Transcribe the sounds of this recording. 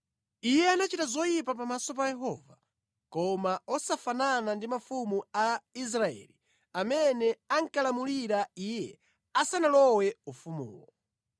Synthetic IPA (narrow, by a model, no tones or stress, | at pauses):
ijɛanat͡ʃitazɔjipapamasɔpajɛɦɔ̰va | kɔmaɔsafananandimafumuais̬ɾaɛ̰li | amɛnɛaŋkalamuliɾaijɛ | asanalɔwɛufumṵːwɔ̰